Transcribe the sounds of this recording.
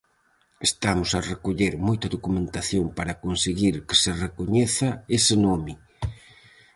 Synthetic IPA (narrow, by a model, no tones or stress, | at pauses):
est̪amʊsarekoʎeɾmojt̪ɐðokumẽnt̪aθjompaɾakonseɣiɾkɪ̥sɪrekoɲeθɐesɪnomɪ